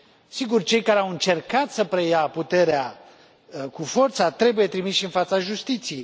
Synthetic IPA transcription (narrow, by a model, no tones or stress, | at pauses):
siɡurt͡ʃe̞jkaɾeawɨnt͡ʃe̞rkat̪səpɾejaput̪e̞ɾea | kufo̞rt̪sat̪ɾe̞buje̞t̪ɾimisʃinfat̪saʒust̪it̪sijej